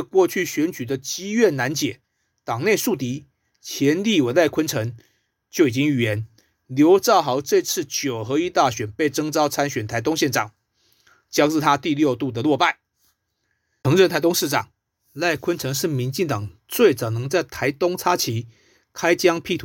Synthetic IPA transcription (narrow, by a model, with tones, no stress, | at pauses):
kwɔ˥˧t͡ɕʰy˥˩ɕɥɛ˧˦˥nt͡ɕy˨˩d̪ə˦t͡ɕi˥ɥɛ˥˩nna˧˥nt͡ɕjɛ˨˩˦ | t̪ɑ˨˩ŋne˥˧ɪsu˥˩t̪i˧˥ | t͡ɕʰjɛ˧˥nli˥˩we˨˩ɪla˥˩ɪkʰwə˥nʈ͡ʂʰɤ˧˥ŋ | t͡ɕjo˥˩ʊi˨˩t͡ɕi˦˥ŋy˨˩jɛ˧˦n | ljo˧˥ʊt͡sɑ˥˩ʊxɑ˧˥ʊʈ͡ʂe˥˧ɪt͡sʰɹ̩˥˩t͡ɕjo˨˩ʊxɤ˧˥i˥t̪a˥˩ɕɥɛ˨˩npe˥˩ɪʈ͡ʂɤ˥ŋt͡sɑ˥ʊt͡sʰa˥nɕɥɛ˨˩nt̪ʰa˧˥ɪt̪ʊ˥ŋɕjɛ˥˩nʈ͡ʂɑ˨˩ŋ | t͡ɕjɑ˥ʊt͡sɻ̩˥˧t̪ʰa˥t̪i˥˧ljo˥˧ʊt̪u˥˩d̪ə˩lwɔ˥˧pa˥˩ɪ | ɤ˧˥ŋɻə˥˧nt̪ʰa˧˥ɪt̪ʊ˥ŋʂɻ̩˥˩ʈ͡ʂɑ˨˩˦ŋ | la˥˩ɪkʰwə˥nʈ͡ʂʰɤ˧˥ŋʂɻ̩˥˩mi˧˥nt͡ɕi˥˩ŋt̪ɑ˨˩ŋt͡swe˥˩ɪt͡sɑ˨˩ʊnɤ˧˥ŋt͡sa˥˩ɪt̪ʰa˧˥ɪt̪ʊ˥ŋt͡sʰa˥t͡ɕʰi˧˥ | kʰa˥ɪt͡ɕjɑ˥ŋpʰi˥˧˩t̪ʰu˨